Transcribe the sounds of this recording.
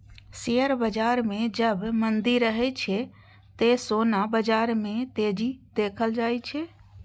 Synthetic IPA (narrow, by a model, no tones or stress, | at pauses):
seəɾbəd͡ʒaɾmẽd͡ʒəbmənd̪iɾːəɦɛt͡ʃʰɛ | t̪esonabəd͡ʒaɾmet̪ed͡ʒid̪ekʰəld͡ʒajt͡ʃʰɛ